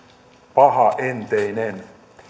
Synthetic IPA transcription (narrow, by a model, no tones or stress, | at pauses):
pɑɦɑʔent̪einen